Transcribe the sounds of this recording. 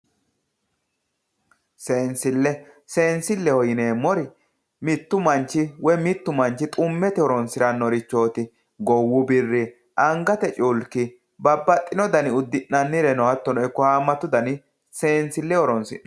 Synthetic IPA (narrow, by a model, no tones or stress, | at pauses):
se̞ːnsɪlːɛ | se̞ːnsɪlːɛhɔjɪne̞ːmɔɾɪ | mɪt̪ːʊmɐnt͡ʃːɪwɛmɪt̪ːʊmɐnt͡ʃːɪt̪ʼʊmːɛt̪ɛɔɾɔnsɪɾɐnːɔɾɪt͡ʃːo̞ːt̪ɪ | ɡɔwːʊbɪrːɪ | ʔɐŋɡɐt̪ɛt͡ʃʼʊlkːɪ | bɐbːɐt̪ʼːɪnɔd̪ɐnɪʊd̪ːɪnːɐnːɪɾɛnɔhɐt̪ːɔnɔɛkːɔhaːmːɐt̪ːʊd̪ɐnɪ | se̞ːnsɪlːɛɔɾɔnsɪ̰ʔ